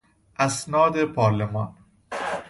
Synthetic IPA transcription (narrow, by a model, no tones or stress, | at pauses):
ʔæsnɒːd̪epʰɒːɾlemɒːn